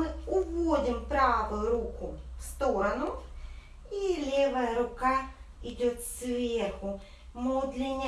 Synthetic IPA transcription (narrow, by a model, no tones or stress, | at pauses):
ɨʊvodʲɪmpɾavʊjʊɾukʊfst̪oɾɐnʊ | ilʲevəjəɾʊkaɪdʲot̪svʲerxʊ | mud̪lʲɪnʲː